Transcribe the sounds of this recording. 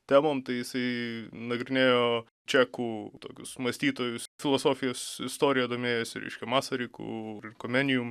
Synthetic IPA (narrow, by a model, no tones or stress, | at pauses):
t̪ʲæːmoːmt̪ɐɪjɪsɐɪnɐɡɾʲɪnʲeːjoː | t͡ʃʲækuːt̪o̰ːkʲʊ̰smɐsʲt̪ʲiːt̪oːjʊsfʲɪlˠoːsoːfʲɪjoːsɪst̪oːɾʲɪjɛd̪oːmʲeːjʊsʲɪɾʲɛ̰ɪʃʲkʲɛmɑːsɐɾʲikṵːɾɪnkomʲɛnʲɪjʊm